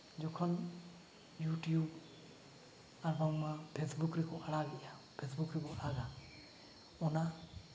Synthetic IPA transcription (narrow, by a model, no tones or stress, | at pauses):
d͡ʒɔkʰɔn | juʈjub | aɾbaŋmapʰesbukɾikʰɔalaɡɛʔa | pʰesbukɾikɔalaɡa | ɔna